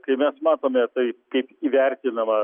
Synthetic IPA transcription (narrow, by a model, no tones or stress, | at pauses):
kɐɪmʲɛsmɑːt̪oːmʲet̪ɐɪkɐɪpiːʋʲæɾʲt̪ʲɪnɐmɐ